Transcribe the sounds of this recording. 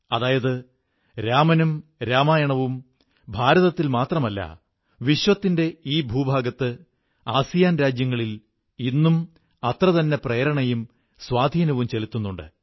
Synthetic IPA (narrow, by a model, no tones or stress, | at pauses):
ɐðaːjɐðɨ | ɾaːmɐnumɾaːmaːjɐɳɐʋum | bʱaːɾɐðɐt̪ːilmaːt̪rɐmɐlːɐ̰ | ʋiɕʋɐt̪ːinde̞iːbʱuːbʱaːɡɐt̪ːɨ | aːsijaːnɾaːd͡ʑjɐŋːɐɭil | inːum | ɐt̪rɐðɐnːe̞prejɐɾɐɳɐjum | swaːd̪ʱiːnɐʋumt͡ɕe̞lit̪ːunːuɳɖɨ̰